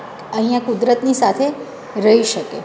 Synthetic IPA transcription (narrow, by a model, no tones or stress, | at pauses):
əɦĩjãkud̪ɾət̪nisat̪ʰe | ɾəɦiʃəke